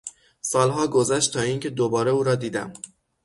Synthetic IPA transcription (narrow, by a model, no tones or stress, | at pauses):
sɒːlɦɒːɡozæʃt̪t̪ʰɒːiːŋcʰe̞d̪obɒːɾeuːɾɒːd̪iːd̪æ̰m